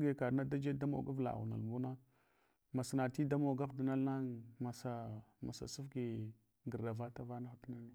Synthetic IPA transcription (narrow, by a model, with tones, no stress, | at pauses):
ɡe˨ka˨ɾna˦da˦d͡ʒe˦da˦mo̰˨ɡa˦vla̰˨na̰˨lmu˦na˦ | ma˨sna˨ti˦da˦mo˨ɡa˦vdi˨na˦lna˦ŋma˨sa˨ma̰˨sa̰˨su˦fɡi˨ | ɡə˨ɾda˨va˦ta˦va˦na˦xu˨tna˦ni˦